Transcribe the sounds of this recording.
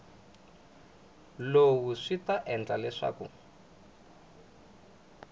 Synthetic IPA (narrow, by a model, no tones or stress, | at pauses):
lowuʂitaʔɛnd͡ɮalɛʂa̰ːkṵ